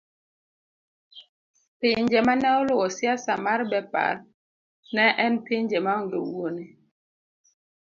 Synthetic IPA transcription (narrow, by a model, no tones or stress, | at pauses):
peɲd͡ʒɛmanɛolowɔsjasamaɾbɛpa̰ɾ | nɛʔɛnpiɲd͡ʒɛmaŋ̩do̰wone